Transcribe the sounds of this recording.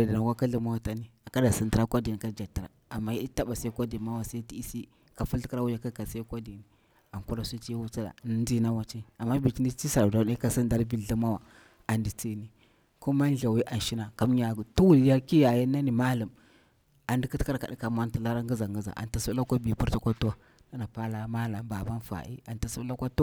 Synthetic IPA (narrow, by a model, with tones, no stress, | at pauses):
di˨na˨wa˦ka˦ɮə˦ma˦wa˦ta˦ni˦a˨ka˦da˨si˨ntə˨ɾa˦kʷa˦di˨ni˨ka˦d͡ʒa˨ti˨a̰˨a˨mːa˦ji˦di˦ta˦ɓa˨sa˦kʷa˦di˨ma˦wa˨sa˦ti˦i˦si˦ | ka˨fu˦ɬki˦ɾa˦wu˦ja˦ka˦ka˨sa˦kʷa˦di˨ni˨ | a˨ŋku˦ɾa˦su˦t͡ʃjwu˦t͡si˦da̰˨n˦ndi˦na˦wa˦t͡ʃi˦a˨mːa˦bi˨ki˦ni˦t͡ʃi˦sa˨ɾda˨˦a˦ka˦si˦nda˦ɾbi˦ɮi˦ma˦wa˨ | a˨ndi˨t͡si˦ni˨ | ku˦ma˦n˦ɮa˨wi˦ʔa˨n˨ʃi˦na˨ka˦mɲa˨ɡtu˦wu˨lja˦ki˦ja˨ja˦nːa˦ni˨ma˦la˨m | a˨ndi˦kə˦tka˦ɾka˨ɗi˦ka˨ma˦nti˨la˦ɾa˦ŋɡə˦za˨ŋɡə˦za̰˨ʔa̰˨nta˨su˦la˦kʷa˦bi˨pu˦ɾta˦kʷa˦tu˦a˦ | na˦na˨pa˦la˦ma˦la˨ba˨ba˦n˦fa̰˨ʔḭ˦a˨nta˨su˦la˦kʷa˦tu˦